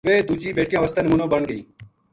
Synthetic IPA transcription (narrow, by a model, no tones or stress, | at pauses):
ʋeːd̪uːd͡ʒiːbeːʈ̚kãːʋəst̪ənmunõːbəɳɡəiː